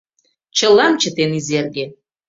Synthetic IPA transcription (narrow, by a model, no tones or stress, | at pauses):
t͡ʃʰɐlːamt͡ʃʰatʰenizerɡʲɪ